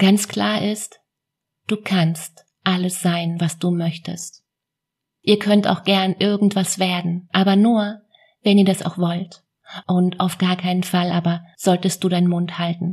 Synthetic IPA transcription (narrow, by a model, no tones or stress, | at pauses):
ɡ̥ant͡skl̥aːɐʔɪst | d̥uːkʰanst | ʔaləsz̥aɪnvasd̥uːmœçtə̰st | ʔiːɐkʰœnta̰ʊxɡ̥ɛɐnʔɪɐɡŋ̩tv̥asv̥eːɐdn̩ʔaːbɐnuːɐ | vɛniːɐdasa̰ʊxv̥ɔlt | ʔʊntaʊfɡ̥aːɐkʰaɪnənfalʔaːbɐz̥ɔltəst̚d̥uːɾaɪnmʊnthaltn̩